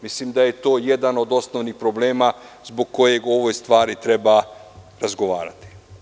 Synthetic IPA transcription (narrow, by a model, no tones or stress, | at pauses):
mislimd̪aje̞t̪o̞ːje̞d̪ano̞d̪o̞snoʋnixpɾo̞ble̞ːmazbo̞ɡkːo̞je̞ɡo̞ʋo̞jst̪ʋaːɾit̪ɾe̞baɾazɡo̞ʋaːɾa̰t̪i̥